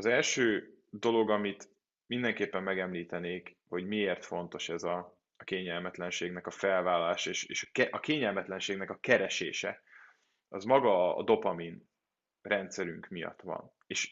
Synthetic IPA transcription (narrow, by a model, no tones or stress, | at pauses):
ɒzɛlʃøː | d̪o̞lo̞ɡɒmit̪ | mind̪ɛŋkeːpːɛmːɛɡɛmliːt̪ɛneːk | ho̞ɟmieːrt̪fo̞nt̪o̞ʃɛzɒ | keːɲɛlmɛt̪lɛnʃeːɡnɛkɒfɛlvaːlːɒlaːʃɒeʃeːʃkɛʔɒkeːɲɛlmɛt̪lɛnʃeːɡn̪ɛkɒkɛɾɛʃḛːʃɛ̰ | ɒzmɒɡɒ̰ːd̪o̞pɒmin | rɛnt̪sɛɾyŋkmijɒ̰t̪ʋɒ̰n | eːʃ